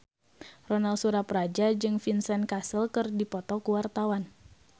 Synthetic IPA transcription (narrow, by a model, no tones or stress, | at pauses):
rɔnalsuɾaprad͡ʒad͡ʒɨŋfinsɛnkasəlkɨrdipɔt̪ɔkuwart̪awan